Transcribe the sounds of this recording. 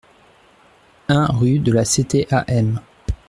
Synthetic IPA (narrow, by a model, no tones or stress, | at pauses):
ɛ̃ʁyd̪əlaset̪eʔa̰ʔɛm